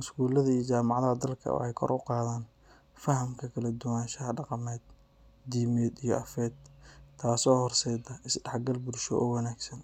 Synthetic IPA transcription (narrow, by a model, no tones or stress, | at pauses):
ɪskuːlɐðɐijɔt͡ʃaːmɑʕɑðɐɦɐd̪ɐlkʰɐ̰wɔ̰ħɛjkʰɔ̰rʊqɑːðaːn | fɐɦɐmkʰɐkʰɐlɐd̪ʊwaːnʃɐɦɐɖɑqɑmɛːd̪̚ | d̪iːmɛːd̪ijɔʔɐfɛːd̪t̪ʰːaːsɔːhɔrsɛːd̪ɐʔɪsɖɑħɡɐlbʊɾʃɔ̰ʔɔːwɑnaːɡsɐn